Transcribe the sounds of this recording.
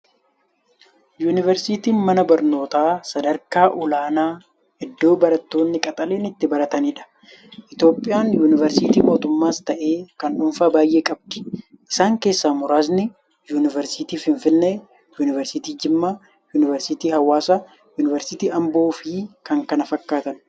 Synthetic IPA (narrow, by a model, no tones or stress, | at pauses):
juːnɪvɛɾsit̪iːnmɐnɐbɐɾno̞ːt̪aːsɐd̪ɐɾkaːʔʊlaːnaː | ʔɛd̪ːo̞ːbɐɾɐt̪ːo̞ːnːɪkʼɐt̪ʼɐleːnɪt̪ːɪbɐɾɐt̪ɐniːᶑɐ̥ | ʔɪt̪jo̞ːpʼːɪjaːnjuːnɪvɛɾsɪt̪iːmo̞ːt̪ʊmːaːst̪ɐʔe̞ːkɐnuːnfaːbaːjʔe̞ːkʼɐb̚d̪̥ɪ̥ʔɪsaːŋke̞ːsːaːmʊɾaːznɪ | juːnɪvɛɾsɪt̪iːfɪɱfɪnːɛ | juːnɪvɛɾsɪt̪iːd͡ʒɪmːaː | juːnɪvɛɾsɪt̪iːhɐwːaːsɐ | juːnɪvɛɾsɪt̪iːɐmbo̞ːfiːkɐŋkɐnɐfɐkːaːt̪ɐn